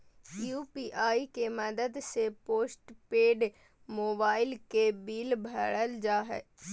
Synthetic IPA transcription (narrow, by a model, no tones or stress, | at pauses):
juːpiːʔaːikeməd̪əd̪sepoːsʈpeːɖ | moːbaːɪlkebiːlbʱəɽəld͡ʒaːɦɛ̰ː